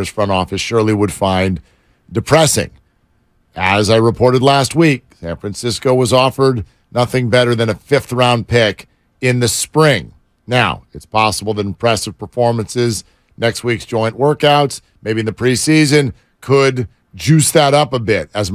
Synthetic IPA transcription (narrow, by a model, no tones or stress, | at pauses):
z̥fɹʌ̃ñɔfɨsʃʊɹlˠiwəd̥fãɪ̃n | dɨpʰɹ̥ɛsɪ̰̃ŋ | ɨzaɪɹɨpʰɔɹɾɨdˡlæst̚wik̚sæ̃nfɹæ̃nsɪskoʊwʌzɔfə˞dⁿ | nʌθɪ̃ŋbɛɾə˞ðɨ̃ñɨfɪfθɹãʊ̃npʰɪk | ɪ̃nðɨspɹɪ̃ŋ | naʊɨtspʰɑsəbl̩ˠðɨɾpʰɹ̥ɛsɨv̥pʰə˞fɔɹmɨ̃nsɪz | nɛkst̚wiksd̥ʒ̥ɔ̃ɪɨ̃nʔwɜ˞kaʊts | meɪbiɨ̃nðɨpʰɹ̥isizɨ̃n | kʰəd | d͡ʒʉsðɨɾʌpəbɪɾ̚ɨz